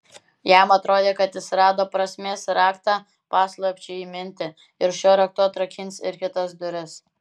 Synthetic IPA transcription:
jæːmɐt̪ɾoːd̪ʲeːkɐt̪ɪsʲɾɑːd̪oːpɾɐsʲmʲeːsɾɑːkt̪ɑː | pɑːslˠɐpʲt͡ʃʲɛiːmʲɪnʲt̪ʲɪ | ɪɾʃʲoːɾʲɐk̚t̪uɐt̪ɾɐkʲɪnʲsɪɾkʲɪt̪ɐsd̪ʊɾʲɪs

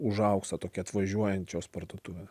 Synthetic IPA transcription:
ʊʒɐʊkst̪ɐt̪oːkʲɛɐt̪ʋɐʒʲuɔjɛntt͡ʃʲoːspɐɾd̪oːt̪ʊʋʲɛ

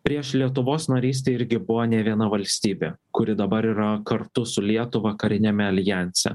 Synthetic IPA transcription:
pʲɾʲiɛʃlʲiɛt̪ʊʋoːsnɐɾʲiːs̬ʲt̪ʲeːɪɾʲɡʲɪbʊʋoːnʲɛʋʲiɛnɐʋɐlʲsʲt̪ʲiːbʲeː | kʊɾʲɪd̪ɐbɐɾiːɾɐkɐɾt̪ʊsʊlʲiɛt̪ʊʋɐkɐɾʲɪnʲɛmʲɛɐlʲjænʲsʲɛ̰

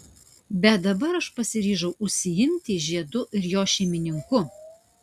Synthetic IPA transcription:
bʲɛt̪̚d̪ɐbɐɾɐʃpɐsʲɪɾʲiːʒɐʊʔʊʃʲsʲɪjɪmʲt̪ʲɪʒʲiɛd̪ʊʔɪɾjoːʃʲɛɪmʲɪnʲɪŋkʊ

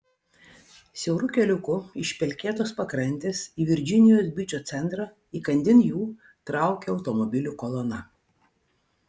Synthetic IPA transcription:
sʲɛʊɾʊkʲɛlʲʊkʊɪʃʲpʲɛlʲkʲeːt̪oːspɐkɾɐnʲt̪ʲeːsiːʋʲɪɾʲd͡ʒʲɪnʲɪjoːsbʲɪt͡ʃʲoːt̪sʲɛnˑt̪ɾɑ | iːkɐnʲd̪ʲɪnjuː | t̪ɾɑˑʊkʲɛɒʊt̪ɔmɔbʲɪlʲʊkɔlˠɔnɐ

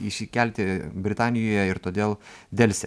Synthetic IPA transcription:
ɪʃʲɪkʲælʲt̪ʲɪbʲɾʲɪt̪ɑːnʲɪjoːjɛɪɾt̪oːd̪ʲeːlˠd̪ʲɛlʲsʲɛ̰

